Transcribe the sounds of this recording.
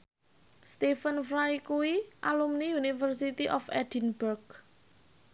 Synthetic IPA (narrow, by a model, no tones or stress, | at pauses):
st̪ifənfɾajkuwiʔalumniunifərsit̪iʔɔfɛd̥inbərɡ